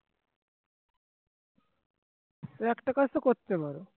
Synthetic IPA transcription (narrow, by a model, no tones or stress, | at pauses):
t̪oɛkʈakasokoɾt̪epaɾo